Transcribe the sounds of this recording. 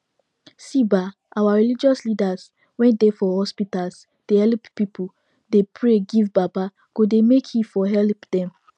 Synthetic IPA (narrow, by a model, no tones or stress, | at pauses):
siba | ʔawaɹilid͡ʒɔslidaz | wɛ̃ndefɔhɔspitals | d̥ehɛlppipʰu | depʰɹeɡivbaba | ɡ̥odemekhifɔɦɛlpdɛ̃m